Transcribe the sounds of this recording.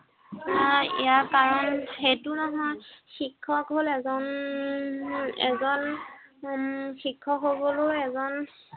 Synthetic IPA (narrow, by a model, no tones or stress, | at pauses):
aḭjaɹkaɹɔnxetunɔɦɔjxikʰːɔkɦolɛzɔn | ɛ̰zɔn | xikʰːɔkɦoboloɛzɔn